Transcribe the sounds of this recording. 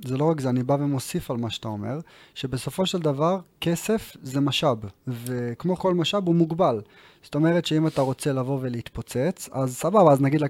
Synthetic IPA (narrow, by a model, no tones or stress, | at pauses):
zelo̞ʁakzeanibavemo̞sifalmaʃat̪ao̞me̞̰ʁʃe̞be̞so̞fo̞ʃeld̪avaʁke̞se̞fzemaʃabvekmo̞ko̞lmaʃabumuɡbal | z̥t̪o̞me̞ʁetʃeimat̪aʁo̞t͡se̞lavo̞veleit̪pot͡se̞t͡sazsababaːznaɡid̪l